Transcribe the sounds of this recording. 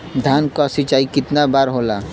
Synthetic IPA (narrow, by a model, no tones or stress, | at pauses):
d̪ʱaːnkasit͡ʃaːikɪt̪nabaːɾɦolaː